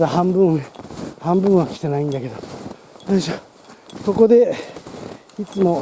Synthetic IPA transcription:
d̪ahãmbɯ̟̃ehãmbɯ̃ɰ̃βakʲi̥t̪e̞naĩnd̪ake̞d̪o | at̪aɕia | so̞ko̞d̪e̞ | it͡sɨmo̞

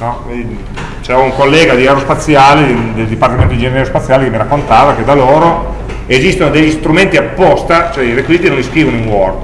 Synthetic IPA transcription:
nɔ | e | t͡ʃɛuŋkolːɛːɡad̪iɛɾospat̪sːjaːled̪eld̪ipart̪iment̪od̪id͡ʒeninɛɾospat̪sːjaːlekemːiɾakːont̪aːvaked̪aloːɾo | ezist̪onod̪eʎːist̪ɾument̪iapːɔst̪at͡ʃoɛiɾekwiziːt̪inõniskɾiːvonoiŋwɔr

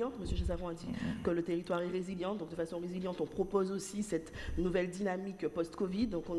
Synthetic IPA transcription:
ɑ̃t̪məsjəʒasaʁɔ̃ad̪ikələt̪eʁit̪waʁɛʁeziljɑ̃d̪ɔ̃k̚d̪əfasɔ̃ʁeziljɑ̃t̪ɔ̃pχɔpozosisɛt̪nuvɛld̪inamikpɔst̪kɔvid̪ːɔ̃kɔ̃

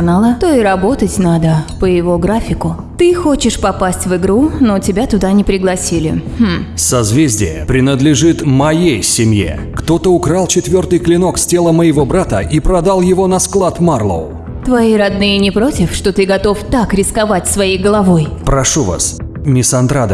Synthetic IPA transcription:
nalˠət̪oɪɾɐbo̞t̪ətʲnad̪əpəjɪvo̞ɡɾafʲɪkʊ | t̪ɨxo̞t͡ɕɪʂpɐpasʲtʲvɨɡɾunotʲɪbʲat̪ʊd̪anʲɪpɾʲɪɡlˠɐsʲilʲɪ̰h̩sɐzvʲezʲdʲɪ̰jə̰pɾʲɪnəd̪lʲɪʐɨt̪mɐjejsʲɪmjḛ | kt̪o̞t̪əʊkɾalˠt͡ɕɪt̪vʲort̪ɨjklʲɪnoksʲtʲe̞lˠəməjɪvo̞bɾat̪əʔipɾɐd̪alˠjɪvo̞nɐsklˠat̪marlˠə̰ʊ | t̪vɐiɾɐd̪nɨjənʲɪpɾo̞tʲɪfʂt̪o̞t̪ɨɡɐt̪o̞ft̪akɾʲɪskɐvatʲsvɐijɡəlˠɐvo̞jpɾɐʂuva̰s | mʲɪsɐnd̪ɾad̪ə

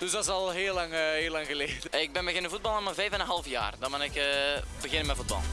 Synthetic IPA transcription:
d̥ɵsdɑtɪsɑlˠɦeːlːɑŋɦeːlɑŋɣəleːdəɪɡ̚bɛnbəɣɪnəvud̚bɑlˠamənvɛjvənənɦɑlˠfja̰ːrdɑnmanɪkəbəɣɪnənmɛvud̚bɑ̰lˠ

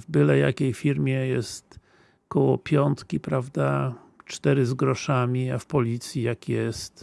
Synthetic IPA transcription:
vbɘlɛja̰kʲejfʲiɾmʲjɛjɛ̰st̪ | kɔwɔ̰pʲjɔnt̪kʲipɾavd̪a | t͡ʂt̪ɛɾɘzɡɾɔʂamʲiafpɔlʲit̪sʲjijakjɛst̪

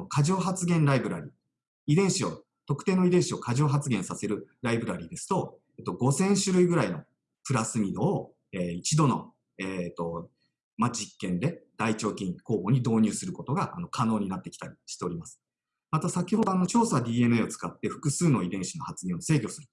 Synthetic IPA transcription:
okʰaʑo̞ːɦat͡sɨɡẽ̞nɾaibɯ̟ɾaɾʲi | id̪ẽ̞ɰ̃ɕio̞ | t̪o̞kɯ̥t̪e̞ːnoid̪ẽɕio̞kaʑo̞ːɦat͡sɨɡẽ̞ɰ̃sase̞ɾɯ̟ɾaibɯ̟ɾaɾʲiːd̪e̞sɨ̥t̪o̞ | et̪ːo̞ɡo̞sẽ̞ɰ̃ɕɨɾɯ̟iɡɯ̟ɾaino̞ | pɯ̟ɾasɨmʲid̪o̞ː | eːit͡ɕid̪o̞no̞̰ | eːt̪ːo̞ | mad͡ʑikːẽ̞nd̪e̞d̪̥ait͡ɕo̞ːkʲĩŋko̞ːbo̞ɲ̟id̪o̞ːɲ̟ʲɨːsɨɾɯ̟ko̞t̪o̞ɡaʔano̞kʰano̞ːɲ̟inat̪ːe̞kʲi̥t̪aɾʲiɕi̥t̪e̞oɾʲimasɨ̥ | mat̪asakʲiho̞d̪o̞ano̞t͡ɕo̞ːsad̪ʲiːe̞mɯ̟eo̞t͡sɨ̥kat̪ːe̞ɸɯ̥kɯ̟sɨːno̞id̪ẽ̞ɰ̃ɕino̞hat͡sɨɡẽ̞ɰ̃o̞se̞ːkʲo̞sɨɾɯ̟

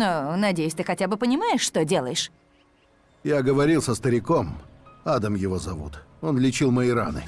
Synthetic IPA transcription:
nonɐdʲejɪsʲt̪ɨxɐtʲabɨpənʲɪmajɪʂːt̪odʲe̞lˠəjɪʂ | jaɡəvɐɾʲilˠsəst̪əɾʲɪko̞mad̪əmjɪvo̞zɐvṵt̪o̞nlʲɪt͡ɕilˠməɪɾa̰nɨ̰

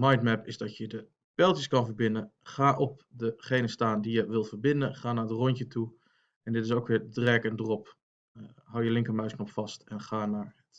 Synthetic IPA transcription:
majntmɛpɪzdɔtjədə | pɛlˠtjəskɔnfəɹbɪnəχaːʔɔp̚dəχeːnəstaːndijəʋɪlˠvəɹbɪndənχaːnaɹdərɔntətʰu | ɛndɪtɪsoːkʋɪɹdrɛkəndərɔp | hawjəlɪŋkəmœɥsknopfɑstɛnχaːnaɹət

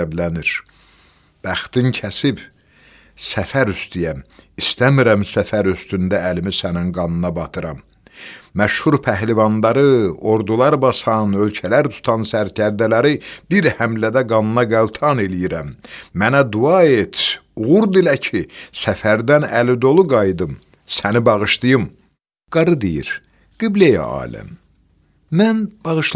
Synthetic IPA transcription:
blæniɾ | b̥æχt̪incʰæsib | sæfæɾyst̪ijæmist̪æmiɾæmsæfæɾyst̪ynd̪æːlimisæninɡɑnɯnɑbɑt̪ʰɯɾɑmː | æʃhuɾpʰæɦlivɑnd̪ɑɾɯo̞ɾd̪ulˠɑɾbɑsɑnølcʰælæɾt̪ʰu̥t̪ʰɑnsæɾcʰæɾd̪ælæɾibiɾhæmlæd̪æɡɑnɯnɑɡælˠt̪ʰɑne̞lijiɾæmːænæd̪uɑet̪ʰuɣuɾd̪ilæcʰisæfæɾd̪ænælid̪o̞lˠuɡɑjd̪ɯm | sænibɑɣɯʃt̪ˠɯjɯm | ɡ̥ɑɾɯd̪ijḭɾ | ɡ̥iblejæ̰ɑ̰ːlæ̰m | mænb̥ɑɣɯʃ

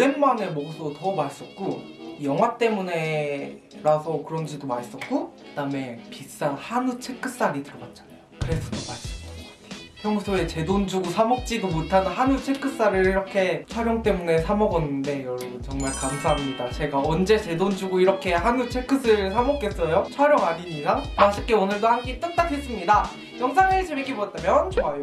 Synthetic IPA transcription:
ɾe̞nmane̞mʌsʰotʌmaɭs͈ʌt̚k͈ojʌŋwat͈e̞mune̞ | ɾasʰʌkɯɾʌnd͡ʑidomas͈ʌt̚k͈okɯd̥ame̞pis͈anhanut͡ɕʰek͈ɯs͈aɾitɯɾʌbat̚t͡ɕ͈anajokɯɾe̞sʰʌ̥tʌmaɭs͈ʌ | hʰjʌŋsʰoe̞t͡ɕe̞dond͡ʑuɡusʰamʌk̚t͡ɕ͈idomotʰanɯnɦanut͡ɕʰe̞k͈ɯs͈aɾɯɾiɾʌkʰe̞t͡ɕʰwaɾjʌŋt͈e̞mune̞sʰamʌɡʌnːɯnde̞jʌɾʌbɯnt͡ɕʌŋmaɭkamsʰaɦamɲidat͡ɕe̞ɡaʌnd͡ʑe̞t͡ɕe̞dond͡ʑuɡuiɾʌkʰe̞hanut͡ɕʰek͈ʰɯsʰɯɭsʰamʌk͈es͈ʌjot͡ɕʰwaɾjʌŋaɲiɲiɾamaɕʰik͈e̞onɯɭdohankit͈ɯk̚t͈atʰes͈ɯmɲida | jʌŋs̬ʰaŋet͡ɕemek͈ːibot͈amjʌnt͡ɕoajo

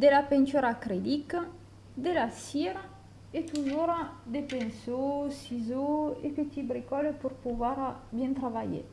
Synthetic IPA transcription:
d̪elapent͡ʃ̪uɾakɾed̪ika | d̪elasiɾa | et̪uzoɾad̪epensosizoḛpet̪ibɾikɔlepuɾpuvaɾabjɛ̃nt̪ɾaβaʎḛ

